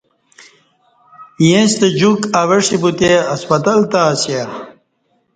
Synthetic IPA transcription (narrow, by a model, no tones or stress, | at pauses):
jẽst̪ed͡ʑukaweʂibut̪eɐspɐt̪ɐlt̪aːsja